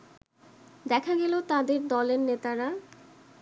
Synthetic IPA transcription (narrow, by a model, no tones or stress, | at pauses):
d̪ɛkʰaɡɛlot̪ad̪eɾd̪ɔleɾnet̪aɾa